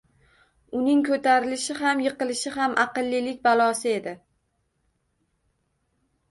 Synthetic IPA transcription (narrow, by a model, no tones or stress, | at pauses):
ʊnɪŋkʰɵt̪ʰaɾɪlɪʃɪɦamjɨqɨlɪʃɪɦamʔaqɨlˠːɪlɪk̚ʲbalˠɒsɪe̞d̪ɪ